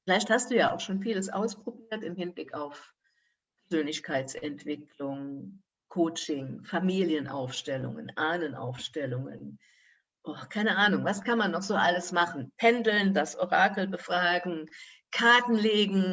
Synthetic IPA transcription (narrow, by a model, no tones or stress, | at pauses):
fɪlaɪçthastd̥uːjaːʔa̰ʊxʃoːnfiːləsʔa̰ʊspʁ̥obiːɐtɪmhɪnblɪkaʊf | pʰɛɐzøːnlɪçkʰaɪt͡sʔɛntv̥ɪkʰlʊŋ | kʰoːt͡ʃɪŋfamiːljənʔa̰ʊfʃtɛlʊ̰ŋə̰nʔaːnənʔa̰ʊfʃtɛlʊŋə̰n | ʔoːkʰaɪnəʔaːnʊŋvaskʰanmanːɔχz̥oːʔaləsmaχn̩pʰɛndl̩ndasʔoʁaːkl̩bəfʁ̥aːɡŋ̩ | kʰaɐtn̩leːɡŋ̩